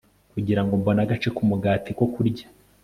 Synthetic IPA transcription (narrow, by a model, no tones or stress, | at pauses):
kuɟiɾaŋɡombo̞naɡat͡ʃe̞kumuɡaːtiko̞kuɾɟḁ